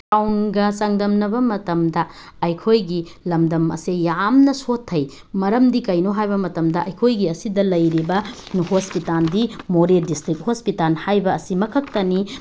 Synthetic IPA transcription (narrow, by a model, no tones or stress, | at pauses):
awnɡɐsɐŋdɐmnɐbɐmɐtɐmdɐː | jkʰojɡilɐmdɐmɐ̰sejamnɐsotʰːɐj | mɐɾɐmdikɐjnoɦajbɐmɐtɐmdɐɐjkʰojɡiɐsidɐlɐjɾibɐhospitaldimoɾedistɾik̚hospitalhajbɐːsimɐkʰɐk̚tɐni